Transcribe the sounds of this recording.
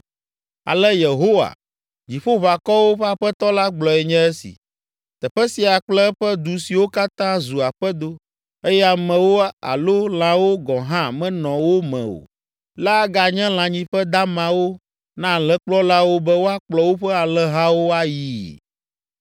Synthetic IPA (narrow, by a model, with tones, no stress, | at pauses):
a̰˨lɛ˦je˨ɦo˦wa̰˨ | d͡ʑi˨ɸo˦βa˨kɔ˦wo˦ɸɛ˦a˨ɸɛ˦t̪ɔ˦la˦ɡ͡blɔ˨ɛ˨ɲɛ̃˦ɛ˦sḭ˨ | t̪ɛ˨ɸɛ˦si˨a˨k͡plɛ˦ɸɛ˦d̪u˨si˨wo˦ka˦t̪ã˦zu˨a˨ɸɛ˦d̪o˦ | e˦jɛ˦a˨mɛ̃˨wo˦a̰˨lo˦l̃ã˦wo˦ɡɔ̃˨ɦã˦mɛ̃˦nɔ̃˨wo˦mɛ̰̃˨o̰˨ | la˦ɡa˨ɲɛ̃˦l̃ã˨ɲĩ˦ɸɛ˦d̪a˦mã˨wo˦ | nã˦˨lɛ˦k͡plɔ˦la˦wo˦bɛ˦wo˦a˦k͡plɔ˨wo˦ɸɛ˦a˨lɛ˦ɦa˦wo˦a˦ji˨